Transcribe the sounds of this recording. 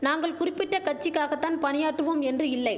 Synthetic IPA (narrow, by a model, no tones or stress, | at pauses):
naːŋɡɐɭkʊrɪpːɪʈːɐkɐt͡ʃːɪkːaːɣɐt̪ːaːnpɐnɪjaːʈːɯʋoːmɛndrɯɪlːɐɪ